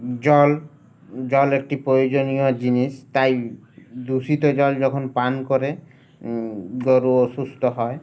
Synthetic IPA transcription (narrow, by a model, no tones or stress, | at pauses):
d͡ʒɔl | d͡ʒɔlek̚ʈipɾɔjod͡ʒonijɔd͡ʒinist̪aj | d̪usit̪ɔd͡ʒɔld͡ʒɔkʰɔnpankɔɾe | ɡɔɾuɔsust̪ɔɦɔe